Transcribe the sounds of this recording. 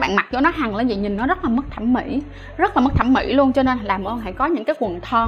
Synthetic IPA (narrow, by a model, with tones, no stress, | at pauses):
ɓa̰ː˧˨nma˨˩k̚t͡ɕɔ˧˦nɔ˨˦ɦa˨˩ŋlə̰˨˦zi˨˩ɲi˨˩nːɔ˨˦zə˦˥t̚laː˨˩m̚˦˥t̪ʰa˧˩mːmḭ˧˥ | zt̚laː˨˩mə˦˥k̚t̪ʰa˧˩mḭ˧˥lu˧ənt͡ɕɔ˧ne˧nlaː˨˩mʔʔːɦa̰˧˨jkɔ˨˦ɲɨ̰˧˥ŋkaː˨˦jkwə˨˩nt̪ʰɔ˧